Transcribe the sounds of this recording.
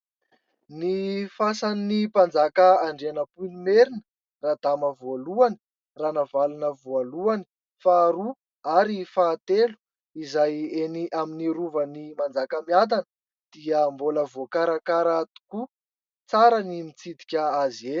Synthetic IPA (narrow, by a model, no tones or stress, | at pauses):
nifasannipand͡zakəaɳɖ͡ʐeanəpunimeɾinə | rad̪̥aməvoaluanə̥ | ranavalunəvualuani̥ | faːɾu | aɾifaːt̪elu̥ | izajeniʔaminiɾuvənimand͡zakəmiad̪anə | d̪̥iəmboləvokaɾakaɾat̪u̥ku | t͡saɾanimit͡sid̪i̥kʲəazie̥